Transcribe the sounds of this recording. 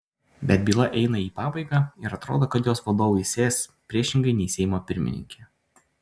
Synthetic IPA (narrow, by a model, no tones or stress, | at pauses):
bʲɛt̪̚bʲiːlˠɐʔɛɪnɐiːpɑːbɐɪɡɑːɪɾɐt̪ɾoːd̪oːkɐt̪joːsʋɐd̪oːʋʊɪsʲeːspʲɾʲiɛʃʲɪŋɡɐɪnʲɛɪsʲɛɪjmoːpʲɪɾʲmʲɪ̰nʲɪ̰ŋʲkʲe